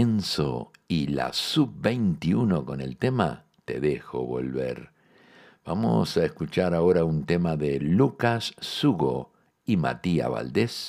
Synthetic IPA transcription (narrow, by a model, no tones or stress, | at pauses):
enso̰ila̰sub̚bejnt̪iuno̞ko̞ne̞̰lt̪e̞ma̰ | t̪e̞ðe̞xo̰βo̞̰lβe̞̰ɾ | b̥amo̰saeskut͡ʃaɾaoɾaunt̪e̞maðelukasːuɣo̞̰ | ima̰t̪ia̰βa̰ld̪e̞s